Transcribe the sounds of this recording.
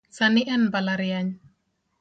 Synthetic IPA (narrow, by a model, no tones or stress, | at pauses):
saniʔɛnbalaɾiaɲ